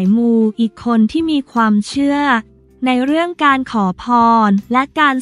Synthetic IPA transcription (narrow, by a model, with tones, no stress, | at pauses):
jmuː˧ʔiː˨˩kʰːo˧nt̪ʰiː˥˩miː˧kʰwaː˧mt͡ɕʰɯ˥˩ə | na˧jɾɯ˥˩əŋkaː˧nkʰɔː˩˦pʰɔː˧nlɛ˦˥kaː˧n